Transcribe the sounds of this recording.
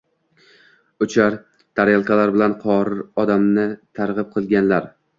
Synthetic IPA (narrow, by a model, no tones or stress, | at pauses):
ʊt͡ʃʰaɾ | t̪ʰaɾjalˠkʲʰalaɾbɪlanqʰɒɾɪɾɒd̪amnɪt̪ʰaɾʁɨp̚qʰɨlˠɡʲanlaɾ